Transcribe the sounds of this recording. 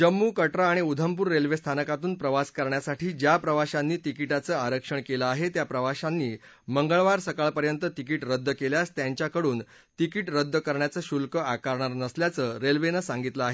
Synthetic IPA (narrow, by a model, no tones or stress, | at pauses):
d͡ʑəmːuːkəʈɾaːɽ̃iud̪ʱəmpuːɾːelʋest̪ʰanəkat̪uːnpɾəʋaskəɾɳjasaʈʰiːd͡ʑjapɾəʋaɕanːiːt̪ikiʈat͡səːaɾəkʂəɳkeləaɦet̪japɾəʋaɕanːiː | məŋɡəɭʋaɾsəkaɭpəɾjənt̪ət̪ikiːʈɾəd̪ʱːəkeljast̪jaɲt͡ɕjakəɽuːn | t̪ikiːʈɾəd̪ʱːəkəɾɳjat͡səːɕulkəakaɾɳaɾnəsljat͡səːɾelʋenəsãŋɡit̪ləaɦe